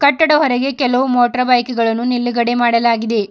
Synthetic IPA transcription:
kɐʈːɐɽɐɦɔɾeɡe̞kɛlɐʋumoːʈɐɾɐbɐjkiɡɐɭɐnːunilːiɡɐɽemaːɽɐlaːɡid̪e̞

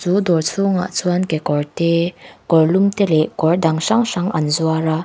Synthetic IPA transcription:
t͡sud̪ɔrt͡sʰuŋa̰ʔt͡sʰuankɛkɔɹt̪ɛkɔrlumt̪ɛlɛkɔrdaŋʂaŋʂaŋʔanzuaɾa

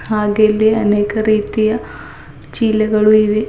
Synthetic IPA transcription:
aːɡelːiɐneːkɐriːd̪ijɐ | t͡ɕiːlɐɣɐɭuiʋi

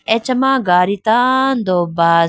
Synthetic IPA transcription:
et͡ʃɐmãːɡaːɾit̪aːnd̪oːbaː

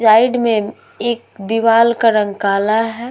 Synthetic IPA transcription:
d͡ʒaːɪɖmẽ | eːk̚d̪ɪʋaːlkaɾə̃ŋɡkaːlaɦɛ

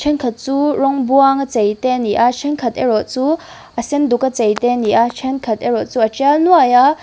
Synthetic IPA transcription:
t͡ʃʰɛnkʰɐt̪̚t͡surɔŋbuaŋat͡sejt̪ɛniʔat͡ʃʰɛnkʰɐt̪ɛɾɔʔ̚t͡su | ʔəsɛnd̪ukɐt͡sejt̪ɛniʔat͡ʃʰɛnkʰɐt̪eɾɔt̪̚t͡suʔɐt͡ʃɛlnuaja

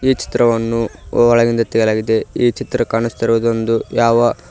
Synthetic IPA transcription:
iːt͡ʃi̥t̪ɾɐʋɐnːuɔɭɐɡind̪ɐt̪ɛɡɐlaːɡid̪e̞iːt͡ʃit̪ɾɐkaːɳist̪ɐɾuʋɐd̪o̞nd̪ujaːʋɐ

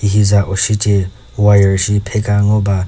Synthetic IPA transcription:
iɦizaʔoʃitʼɛ | wajɛʃipʰɛkʼaŋoba

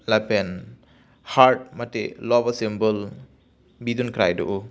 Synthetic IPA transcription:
lapen | haɾt̚mɐtḛlɔbɐsembɯl | bidunkʰɾajdɔ̰ʔu

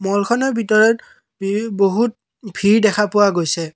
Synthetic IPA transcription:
mɔlkʰɔnɔbʱitɔɹɔt | boɦut̚ | bʱiɹdɛkʰapʊwaɡojsɛ

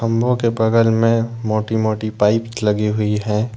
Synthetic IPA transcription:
ɐ̃mbʱõkebɐɡəlmẽmoːʈimoːʈipaːɪpslɐɡiɦʊiɦɛ̃ː

